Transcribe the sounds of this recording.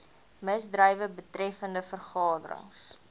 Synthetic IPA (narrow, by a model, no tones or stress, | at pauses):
məsdrəjvəbətrɛfəndəfərχɑːdə̰ɾə̰ŋs